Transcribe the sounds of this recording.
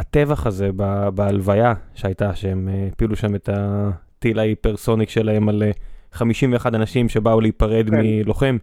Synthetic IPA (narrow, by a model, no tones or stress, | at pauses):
at̪e̞vaχaze̞babaalvajaʃeajt̪aʃeempiluʃame̞t̪at̪ilajpeʁso̞nikʃe̞lae̞maleχamiʃimveːχad̪anaʃimʃe̞bauleipaʁe̞d̪milo̞χem